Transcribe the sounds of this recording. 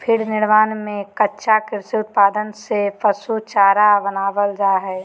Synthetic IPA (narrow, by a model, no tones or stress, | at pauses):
pʰɪɾnɪɽʋaːnmẽkətːʃakɪɾsiʊt̪̚paːd̪ənsepʰəsut͡ʃaːɾabənaːʋəld͡ʒaːɦɛː